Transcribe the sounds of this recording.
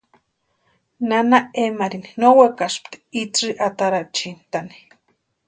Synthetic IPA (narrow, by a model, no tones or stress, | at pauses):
nanaemaɾininowekaʃpt̪i̥it͡siʔat̪aɾat͡ʃint̪ani̥